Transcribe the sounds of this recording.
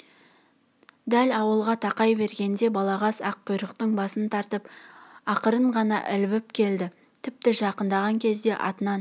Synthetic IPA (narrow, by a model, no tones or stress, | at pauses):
d̪ælɑwəlˠʁɑt̪ʰɑqɑjbe̞ɾɡʲe̞nd̪e̞bɑlˠɑʁɑsɑqʰːʊjɾəqt̪əɴbɑsənt̪ʰɑɾt̪əpɑqəɾəɴʁɑnɑ̰ʔɪlbɪpkʲʰe̞ld̪ɪ | t̪ʰɪp̚t̪ɪʒɑqənd̪ɑʁɑŋkʲʰe̞zd̪e̞ʔɑ̰t̪ənɑn